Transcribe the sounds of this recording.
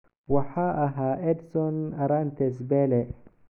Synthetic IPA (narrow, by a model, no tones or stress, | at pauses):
waħaʔaɦaʔed̪sonaɾant̪es̬bele